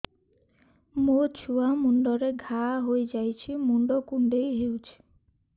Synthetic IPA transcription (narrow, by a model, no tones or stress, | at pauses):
mot͡ʃʰuamuɳɖɔɾeɡʱaɦojd͡ʒajt͡ʃʰimuɳɖɔkuɳɖejɦewt͡ʃʰi̥